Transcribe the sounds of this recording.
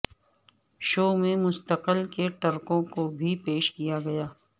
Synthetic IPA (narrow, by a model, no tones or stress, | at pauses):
ʃoːmẽmʊst̪əqəlkeʈɐɾkõkobʱipeːʃkijaɡɐjaː